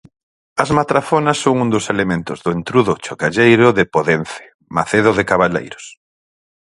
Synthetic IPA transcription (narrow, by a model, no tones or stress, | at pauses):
ɐzmat̪ɾafonɐsːoŋund̪oselemẽnt̪ʊzðʊent̪ɾuðʊt͡ʃokaʎejɾʊðɪpoðen̟θe̥ | maθeð̞ʊðɪkaβalḛjɾo̥s